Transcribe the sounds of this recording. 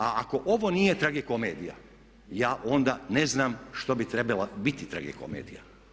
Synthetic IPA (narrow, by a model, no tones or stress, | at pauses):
aako̞ʔoʋonijet̪ɾaɡeko̞meːd̪ija̰ | jaːʔo̞nd̪aneznaːmʃt̪obit̪ɾebalabit̪it̪ɾa̰ɡḛko̰meːd̪ija